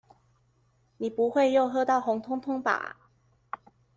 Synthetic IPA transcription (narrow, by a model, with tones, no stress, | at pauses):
ni˨˩pu˧˥xwe˥˧ɪjo˥˧ʊxɤ˥˧t̪ɑ˥˩ʊxʊ˧˥ŋt̪ʰʊ˥ŋt̪ʰʊ˥ŋpa̰˨˩˦